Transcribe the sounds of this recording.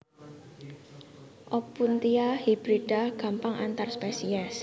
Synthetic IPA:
ʔɔpunt̪iahibɾidahɡ̥a̤mpaŋʔa̰nt̪arspɛsiɛs

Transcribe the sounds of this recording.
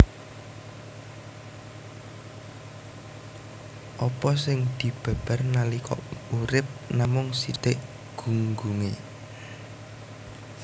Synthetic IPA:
ʔɔpɔsɪŋd̪̥i̤b̥a̤b̥a̤rnalikɔ̰uɾɪp̚namʊŋsit̪ɪʔ | ɡ̥uŋɡuŋe

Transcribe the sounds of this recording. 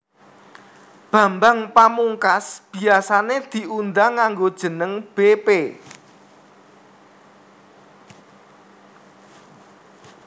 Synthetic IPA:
b̥a̤mbaŋpamuŋkasb̥i̤asaned̪̥i̤ʔund̪aŋːaŋɡod̥ʒ̥ə̤nəŋb̥epe

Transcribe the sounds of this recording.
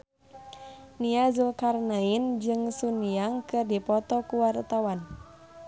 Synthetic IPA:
niazulkarnaind͡ʒɨŋsuniaŋkɨrdipɔt̪ɔkuwart̪awan

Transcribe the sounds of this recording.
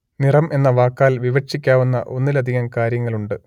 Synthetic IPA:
nirɐmʔe̞nːɐʋaːkːaːlʋiʋɐt͡ɕikʲːaːʋunːɐ̰ʔonːilɐd̪ʱiɣɐmkaːɾjɐŋːɐɭuɳɖɨ

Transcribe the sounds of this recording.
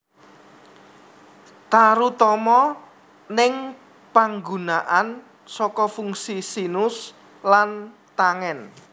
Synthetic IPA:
t̪aɾut̪ɔmɔ | nɪŋ | paŋɡunaʔan | sɔkɔfuŋsisinʊs | lant̪aŋɛn

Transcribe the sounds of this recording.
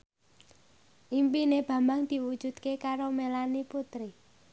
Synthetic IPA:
ʔimpineb̥ä̤mbaŋd̪̥i̤wud̥ʒ̥ṳd̪̥kekaɾomelaniput̪ɾi

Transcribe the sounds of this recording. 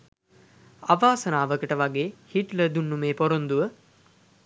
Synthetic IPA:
aʋaːsənaːʋəkəʈəʋaɡeːhiʈləd̪unːumeːpoɾond̪uʋə

